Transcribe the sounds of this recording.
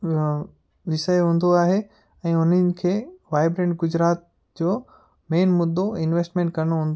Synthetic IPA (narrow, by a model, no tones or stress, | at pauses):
ʋɪsəjɦũːn̆d̪oaːɦe | ɛ̃ːʊn̤ənɪ̆kʰeːʋaːɪbɾẽːɳʈɡʊd͡ʑɾaːt̪̚ | d͡ʑoː | meːnmʊd̪ːoɪnʋeːsʈmẽːɳʈkɐɾɽ̃oɦũːn̆d̪o